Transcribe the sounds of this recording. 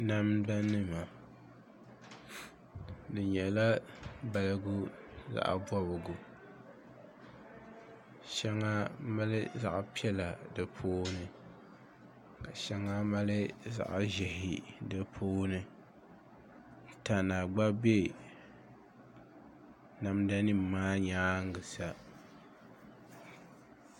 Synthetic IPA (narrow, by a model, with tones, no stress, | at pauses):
na˦mda˦nːɨ˦ma˨ | dɨ˨ɲɛ˨la˦ba˨lɨ˦ɡʊ˦za̰˨ʔbɔ˦βɨ˨ɡu˨ | ʃɛ˦ŋa˦ma˦lɪ˦za̰˨ʔpi˦ɛ˦la˨dɨ˨pʰoː˦nɨ˦ | ka˨ʃa˦ŋːa˦ma˦lɨ˦za̰˨ʔa˨ʒɛ˨hɪ˨dɨ˦pʰoː˦nɨ˦˨ | ta˨na˨ɡ͡ba˦be˦ | na˨mda˦nɨ˦m˨maː˦ɲaː˦ŋ˦ɡɨ˨sa˨